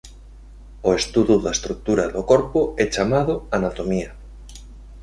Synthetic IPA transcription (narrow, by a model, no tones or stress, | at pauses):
oest̪uðuðaest̪ɾuk̚t̪uɾaðokoɾpoɛt͡ʃamaðʊanat̪omia